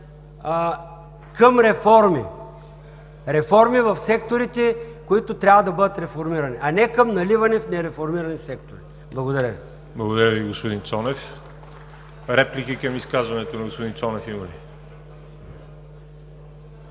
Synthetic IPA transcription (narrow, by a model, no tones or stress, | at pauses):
kəmɾɛfɔɾmḭ | ɾɛfɔɾmivɐfsɛk̚t̪oɾit̪ɛkoit̪ot̪ɾʲavɐd̪ɐbɤd̪ət̪ɾɛfoɾmiɾɐniʔɐnɛkɐmnɐlivɐnifnɛɾɛfoɾmiɾɐnisɛk̚t̪oɾi | blˠɐɡod̪ɐɾʲəvḭ | blˠɐɡod̪ɐɾʲəviɡospod̪int̪sɔnɛf | ɾɛplikikɐmiskazvɐnɛt̪onɐɡospod̪ĩnsɔnɛfimɐli